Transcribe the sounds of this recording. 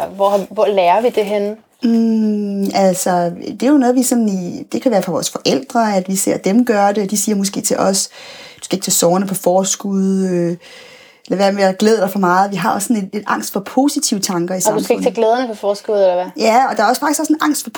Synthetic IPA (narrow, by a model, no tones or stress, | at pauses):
ʋɒʋɒlɛːɐʋid̥e̝ɦen̩ | ælsɒd̥e̝jo̝nɔ̽ːð̩ˠʋisɒ̽nnid̥e̝kʰæʋæːɐfɒ̈ʋɒ̰ːsfɒ̽ʔel̰d̥ʁɐæd̥ʋise̝ɐ̰d̥emɡ̥ɶɐɾ̥e̝ɒd̥isiːɐmɔsɡ̥e̝̰ːt͡sʰe̝lʔɒ̽sd̥uskæeɡ̥̚t͡sʰesɒːɐnəpʰɒ̽fɒːsɡ̥uð̞ˠø | elæʋæɐ̰meɐɡ̥leð̞ˠd̥ɑ̈ɪfɒ̽mɑ̈ːð̩ˠʋiɦɑ̈ɒ̽sːɔ̽nee̝d̥ʔɑ̈ŋ̰sd̥fɒ̽pʰo̝ːsit͡sʰiʊt͡sʰɑ̈ŋɡ̥ɐisadumfeɡ̥t͡sʰeɡ̥leːð̞ˠɐnəpʰɒ̽fɒːsɡ̥uð̞ˠelɐʋæjæɒ̽d̥ɑ̈æɐɒsfɑ̈ɡ̥isɒsenʔɑ̈ŋ̰sd̥fɒ̽pʰ